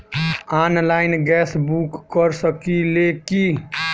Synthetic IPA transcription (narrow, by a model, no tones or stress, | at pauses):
anlaɪnɡɛsbukːəɾsəkileki